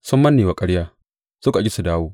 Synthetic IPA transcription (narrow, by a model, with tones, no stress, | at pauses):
sʊ˦mːɐ˦nːeː˨wa˨kʼɐ˦ɽjaː˦ | sʊ˦ka˨ɡʲɪ˦su˨daː˦woː˦